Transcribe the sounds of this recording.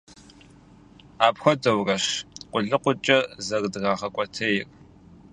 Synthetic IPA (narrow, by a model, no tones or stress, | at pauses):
aːpxʷɔdɐwrɐɕqʷʼʊɮɨqʷʊt͡ʃʼɐzɐrdɨɣaːχɐkʷʼɔtʰɐjɪr